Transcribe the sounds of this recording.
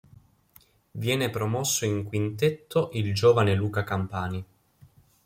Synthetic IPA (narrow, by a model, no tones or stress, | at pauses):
vjɛːnepɾomɔsːoiŋkwint̪et̪ʰːoʔild͡ʒoːvaneluːkakampaːni